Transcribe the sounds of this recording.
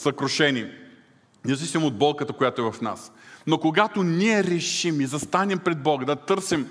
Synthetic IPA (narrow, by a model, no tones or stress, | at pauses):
sɐkɾoʃɛni | nʲiɛzvisimod̪̚bɔlˠkət̪əkojat̪oɛvɐfna̰snokoɡat̪oniɛɾɛʃimizɐst̪anɛmpɾɛd̪̚bɔɡəd̪ɐt̪ɤɾsim